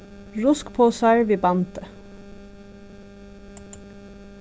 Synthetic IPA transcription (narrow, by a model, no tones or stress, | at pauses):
ɹʊskpʰoːsæɹʋiːbɑnt̪ə